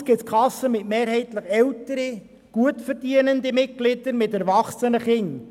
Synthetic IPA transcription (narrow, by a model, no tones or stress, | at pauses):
sɡ̥ɪtskʰlɑsəmɪtmeːɾhɛɪtləχɛltəɾi | ɡ̥uətfɛɾdiənəndəmɪt̚ɡ̥lɪd̥əɾmɪtɛɾvɑχsənəχɪn